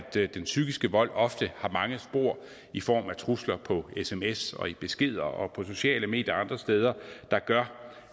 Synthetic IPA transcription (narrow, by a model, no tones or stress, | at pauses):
d̥d̥ensyɡ̥isɡ̥əʋɒ̽l̰ɒ̽fd̥əhɑ̈mɑ̈ŋəsb̥o̝ɐ̰ | ifɒ̰ːmæt͡sʰʁuslɐpʰɒ̽esemesɒ̽ib̥e̝sɡ̥e̝ð̞̰ˠɐɒ̽pʰɒ̽so̝ɕɛ̰ːləme̝̰ːdjɐɑ̈nd̥ʁɐsd̥eːð̞ˠɐd̥ɑ̈ɡ̥ɶɐ